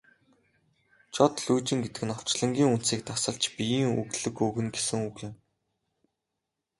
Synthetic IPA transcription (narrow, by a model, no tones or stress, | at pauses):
t͡ɕʰɔt̪ɮuːt͡ɕĭŋɡet̪ɘ̆kɘ̆nɔw̥t͡ɕɮə̆ŋɡʲiːŋunt̪siːk̚t̪asə̆ɬt͡ɕpijiːŋuɣɮɘ̆kɵɣɘ̆nɡesɘ̆ŋuːɣjɪ̆m